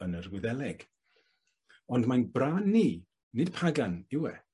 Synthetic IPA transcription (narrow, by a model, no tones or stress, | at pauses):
ənərɡwɪðɛlˠɛɡ̥ | ɔndmajnbraːnːiː | nɨd̥pʰaɡanɪwɛ